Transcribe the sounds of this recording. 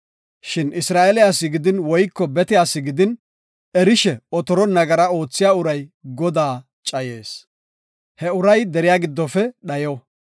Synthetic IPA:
ʃɪnɪsɾaːʔɛlɪjaːsːɪɡɪd̪ɪnwɔjkːɔbɛt̪ɪjaːsːɪɡɪd̪ɪn | ɛɾɪʃɛɔt̪ɔɾɔnɐɡɐɾɐo̞ːt͡sːɪjaːʊɾɐjɡɔd̪aː | t͡ʃʼɐje̞ːs | hɛʊɾɐjd̪ɛɾɪjaːɡɪd̪ːɔfɛɗɐjɔ

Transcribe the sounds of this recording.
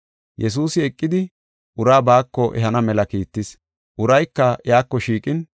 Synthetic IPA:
jɛs̬uːsɪɛkʼːɪd̪ɪ | ʔʊɾaːbaːkːɔʔɛ̰ɦɐnɐmɛlɐkiːt̪ːɪs | ʔʊɾɐjkːɐjaːkːɔʃiːkʼɪn

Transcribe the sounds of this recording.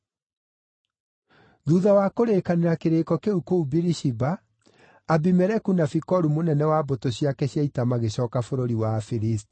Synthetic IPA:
ðuːðawakoɾekaneɾakeɾeːkɔkeukoubiɾiʃibaː | bimɛɾɛkunafikɔɾumonɛnɛwabotoɕiakɛɕjaitamaɣeɕɔːkafoɾoɾiwafiɾisti̥

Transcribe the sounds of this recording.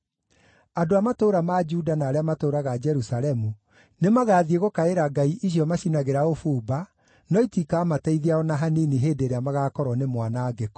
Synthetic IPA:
adoamatoɾamad͡ʒuːdanaːɾeamatoːɾaɣad͡ʒɛɾusaɾɛmu | nemaɣaːðieɣokaeɾaɡaiʔiɕjɔmaɕinaɣeɾaofuːba | nɔitikaːmatɛiðiaɔnaɦaniniɦeːdeɾeamaɣaːkɔɾwɔnemwanaɡek

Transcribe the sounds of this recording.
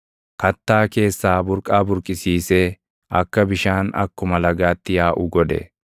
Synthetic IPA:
kɐt̪ːaːke̞ːsːaːbʊɾkʼaːbʊɾkʼɪsiːseː | ɐkːɐbɪʃaːnɐ̰kːʊmɐlɐɡaːt̪ːɪjaːʔʊɡɔd̪ɛ̰

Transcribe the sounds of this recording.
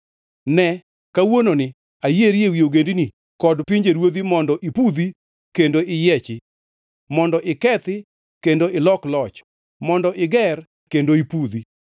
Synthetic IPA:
nɛ | kawononɪ | ajeɾjewioɡendini | kɔdpiɲd͡ʒeɾwod̪imɔndɔʔipud̪i | kendoɪjɛt͡ʃɪ | mɔndɔʔɪkɛt̪ɪ | kendoɪlɔklɔt͡ʃ | mɔndɔʔɪɡɛr | kendoipud̪i

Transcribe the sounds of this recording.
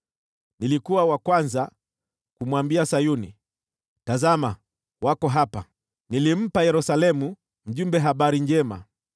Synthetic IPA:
nilikuwawakwanza | kumwambiasajuni | tazama | wakɔɦapa | nilim̩pajɛɾusalɛmu | m̩ʄumbɛɦaɓaɾiɲd͡ʒɛma̰

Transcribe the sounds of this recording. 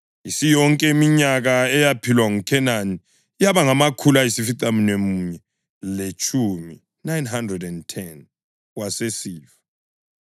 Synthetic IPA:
isijɔŋkʼɛmiɲaɣaɛjapʰilwaŋukʰɛnaniː | jaβaŋamakʰulajisifitʼaminemuːɲɛ | let͡ʃʼʰumi | najnɦandrɛdɛntʰɛn | wasesiːva

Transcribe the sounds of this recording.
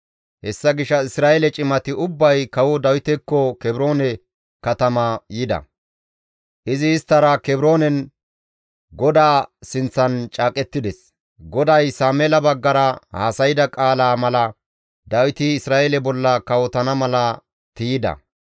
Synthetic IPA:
hɛsːɐɡɪʃːɐɪsɾaːʔelɛt͡ʃʼɪmɐt̪ɪʊbːɐjkɐwɔd̪ɐwɪt̪ɛkːɔkɛbɪɾo̞ːnɛ | kɐt̪ɐmɐjɪd̪ɐ̰ | ʔɪzɪːst̪ːɐɾɐkɛbɪɾo̞ːnɛn | ɡɔd̪aːsɪnt͡sːɐnt͡ʃʼaːkʼɛt̪ːɪd̪ɛs | ɡɔd̪ɐjsaːmeːlɐbɐɡːɐɾɐha̰ːsɐjɪd̪ɐkʼaːlaːmɐlɐ | d̪ɐwɪt̪ɪːsɾaːʔelɛbɔlːɐkɐwɔt̪ɐnɐmɐlɐ | t̪ijɪd̪ɐ̰

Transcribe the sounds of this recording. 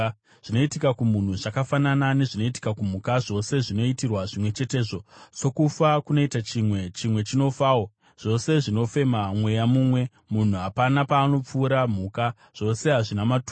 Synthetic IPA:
ʐ̥ino̞itikakumun̤uʐakafananane̞ʐino̞iti̥kakum̤ukaʐo̞se̞ʐino̞itirwaʐimwe̞t͡ʃe̞te̞ːʐo̞so̞kufakuno̞itat͡ʃimwe̞t͡ʃimwe̞t͡ʃino̞faːo | ʐ̥o̞se̞ʐino̞fe̞mamwe̞jamuːmwe̞ | mun̤uɦapanapaːno̞p͡fuːɾam̤uːka | ʐ̥o̞se̞ɦaʐinamatu

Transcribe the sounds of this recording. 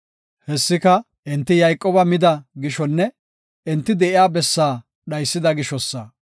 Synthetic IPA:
hɛsːɪkɐ | ʔɪnt̪ːɪjɐjkʼːoːbɐmɪd̪ɐɡɪʃɔnːɛ | ɪnt̪ːɪd̪ɛʔɪjaːbɛsːaː | ɗɐjsːɪd̪ɐɡɪʃɔsːɐ

